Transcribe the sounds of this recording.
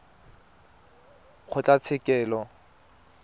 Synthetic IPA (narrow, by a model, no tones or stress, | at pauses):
k͡xʰʊt͡ɬʼat͡sʰɪkʼɛːlɔ